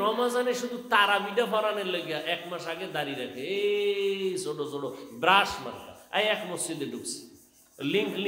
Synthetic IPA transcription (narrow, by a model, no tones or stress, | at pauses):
ɾɔmazaneʃud̪ut̪aɾabiʈapʰɔɾaneɾloɡijaʔɛkmaʃaɡed̪aɾiɾakʰee | soɖosoɖobɾasma̰ɾka̰ajɛkmosod̪eɖuksi̥ | liŋkl